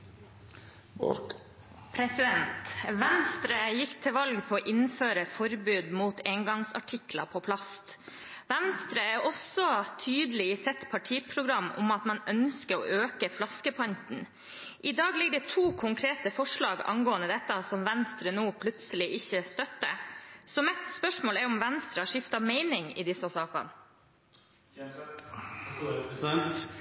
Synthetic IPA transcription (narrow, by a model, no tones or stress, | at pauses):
pʰɾɛsɪd̪ɛnt̪ʋɛnst̪ɾəjɪkːt̪ʰɪlʋɑlɡpʰoːʔɪnføːɾəfɔɾbʉːd̪muːt̪eːŋɡɑŋsɑ̰ʈʰɪklɑ̰pʰoːpʰlɑst̪ | ʋɛnst̪ɾəɛʔɔsɔt̪ʰyːd̪əlɪsɛt̪pʰɑʈʰiːpʰɾʊɡɾɑmːʊ̰mɑt̪mɑnœnskəɾo̰ːʔøːkəflɑskəpʰɑnt̪n̩ | ʔɪd̪ɑːɡlɪɡd̪ɛt̪ʰuːkʰʊŋkʰɾeːt̪əfɔʂɭɑːɡɑ̰ŋɡoːənəd̪ɛt̪ːɑsɔmʋɛnst̪ɾənuːpʰlʉt̪səlɪʔɪçːəst̪œt̪ːə̰sɔmɛt̪spœʂmoːlɛɾʊmʋɛnst̪ɾəʂɪft̪ɑmeɪnɪŋɪ̰d̪ɪsːɑsɑːkɑ̰n